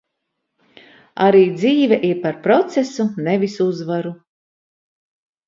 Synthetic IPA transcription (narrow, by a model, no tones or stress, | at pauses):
a̰ɾiːd̪ziːvɛʔiɾpaɾpɾɔt̪sesunevisuzvaɾu